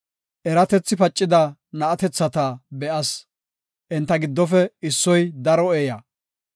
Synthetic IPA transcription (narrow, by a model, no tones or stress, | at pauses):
ʔɛɾɐt̪ɛt͡sːɪpɐt͡ʃʼːɪd̪ɐnɐɐt̪ɛt͡sːɐt̪ɐbɛʔɐs | ʔɪnt̪ːɐɡɪd̪ːɔfɛɪsːɔjd̪ɐɾɔeːjɐ